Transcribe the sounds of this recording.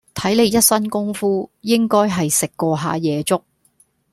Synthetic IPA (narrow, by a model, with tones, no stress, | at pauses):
t̪ʰɐ˨˥jle˨˧jɐ˥t̚sɐ˥nkʊ˥ŋfuː˥jɪ˥ŋkɔː˥jɦɐ˨jsɪ˨kːɔː˧ɦaː˨˧jɛː˨˧t͡sʊ˥k̚